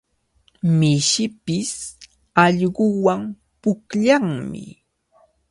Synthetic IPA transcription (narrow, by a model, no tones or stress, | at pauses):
mɪʃɪpɪs | ɑʎɢʊwam | pʊkʎaŋmɪ̰